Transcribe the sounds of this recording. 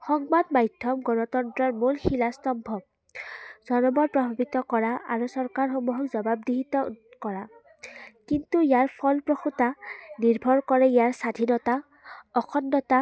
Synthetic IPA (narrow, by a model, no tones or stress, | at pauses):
xɔŋbadmajdʱɔmɡɔnɔt̪ɔntɹɔɹmulxilastɔmbʱɔb̚ | z̥ɔnɔmɔt̚pɹɔbʱabit̪ɔkɔɹaʔa̰ɹusɔɹkaɹxɔmuɦɔkzɔbab̚d̪iɦit̪ɔkɔɹa | kintuijaɹpʰɔlpɹoxutaniɹbʱɔɹkɔɹɛijaɹsadʱinɔta | ɔkʰɔnːɔta